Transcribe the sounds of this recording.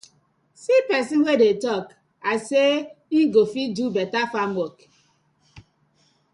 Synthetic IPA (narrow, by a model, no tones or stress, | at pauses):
sipɛsinwedetɔk | aseiɡofidubɛtafamok